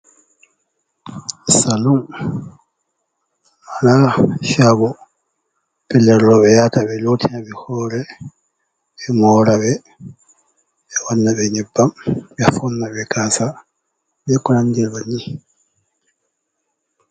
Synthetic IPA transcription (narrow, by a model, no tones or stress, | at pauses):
salum | anaʃabɔ | pɛlːɛɾlɔbɛjatabɛlotʰinabɛhɔːɾɛ | ɛmɔːɾabɛ | ɛwanːabɛɲɛbːambɛafɔnːabɛkaːsa | bɛkɔlandilbaɲi